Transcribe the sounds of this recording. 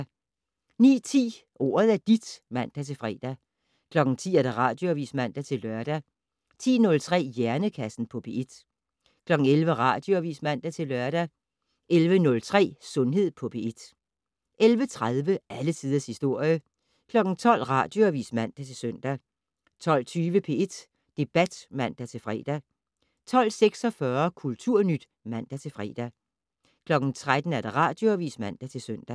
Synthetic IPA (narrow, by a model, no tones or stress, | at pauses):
nḭːt͡sʰḭː | ʔo̝̰ːɐð̞ˠæɐd̥id̥mæn̰d̥æt͡sʰe̝fʁɛ̰ːd̥æ | kʰlɒ̽ɡ̥n̩t͡sʰḭːæɐd̥æʁɑ̰̈ːd̥jo̝æʋḭːsmæn̰d̥æt͡sʰe̝lːɶɐɾ̥æ | t͡sʰḭːnɔ̽lt͡sʰʁɛ̰ːjæɐnəkʰæsn̩pʰɒ̽b̥e̝ʔe̝d̥ | kʰlɒ̽ɡ̥ŋ̩elʋəʁɑ̈ːd̥jo̝æʋḭːsmæn̰d̥æt͡sʰe̝lɶɐɾ̥æ | ʔelʋənɔ̽lt͡sʰʁɛ̰ːsɔ̽nɦe̝ð̰ˠpʰɒ̽b̥e̝e̝d̥ | ʔelʋət͡sʰʁaðˠʋəæləsʰið̞ˠɐshisd̥o̝ɐ̰jə | kʰlɒ̽ɡ̥n̩t͡sʰɒ̽l̰ʁɑ̈ːd̥jo̝æʋḭːsmæn̰d̥æt͡sʰe̝lsøn̰d̥æ | t͡sʰɒ̽l̰t͡sʰyːʋəpʰe̝e̝d̥ | d̥e̝b̥æd̥mæn̰d̥æt͡sʰe̝lfʁɛ̰ːd̥æ | t͡sʰɒ̽l̰seɡ̥sɒ̽fɶɐkʰult͡sʰuɐ̰nyd̥ | mæn̰d̥æt͡sʰe̝lfʁɛ̰ːd̥æ | kʰlɒ̽ɡ̥n̩t͡sʰʁad̥n̩æɐd̥ɑ̈ʁɑ̈ːd̥joæʋḭːsmæn̰d̥æt͡sʰe̝lsøn̰d̥æ